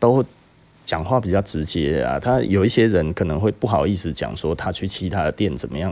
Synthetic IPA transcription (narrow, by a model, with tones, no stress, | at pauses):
t̪o˥ʊ | t͡ɕjɑ˨˩ŋxwa˥˩pi˨˩t͡ɕjɑ˥˩ʊʈ͡ʂɻ̩˧˦t͡ɕjɛ˦a̰˨t̪ʰa˦˥jo˨˩ʊi˥˩ɕjɛ˦˥ɻə˨˦nkʰɤ˨˩nə˧˦ŋxwe˥˧ɪpu˥˩xɑ˨˩ʊi˥˩s̩˧˦t͡ɕjɑ̰˨˩ŋswɔ˦t̪ʰa˦t͡ɕʰy˥˩t͡ɕʰi˧˥t̪ʰa˦d̪ə˨˩t̪jɛ˥˩nt͡sə˨˩nmə˦jɑ˥˨ŋ